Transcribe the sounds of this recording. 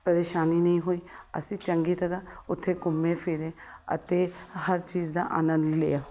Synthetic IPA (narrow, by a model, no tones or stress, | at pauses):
pəɾeːʃaːniːnəĩːɦoːiːə̰sĩːt͡ʃəŋɡiːt̪əd̪aːʊt̪ʰːeːɡʊmːẽːpʰɪːɾẽːə̰t̪eːhəɾt͡ʃiːd͡ʒd̪a̰ːʔaːnənd̪lḛːjaː